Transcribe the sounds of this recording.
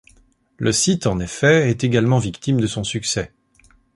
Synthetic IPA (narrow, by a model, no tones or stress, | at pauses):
lʔəsit̪ɑ̃nefɛɛt̪eɡalmɑ̃vikt̪imd̪əsɔ̃syksɛ